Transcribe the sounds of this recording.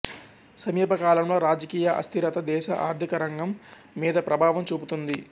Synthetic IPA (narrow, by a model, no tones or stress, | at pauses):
sɐmiːpɐkaːlɐmlo̞ːɾaːd͡ʒɐkiːjɐʔɐ̰st̪ʰiɾɐt̪ɐd̪ɛːʃɐ̰ʔa̰ːɾd̪ʱikɐɾɐŋɡɐmː | iːd̪ɐpɾɐbʱaːʋɐmt͡ʃuːbut̪und̪i